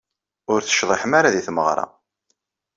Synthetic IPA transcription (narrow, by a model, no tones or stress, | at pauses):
ʊɾθə̥ʃðˤeħəmaɾaðiθməʁɾˤɑ̰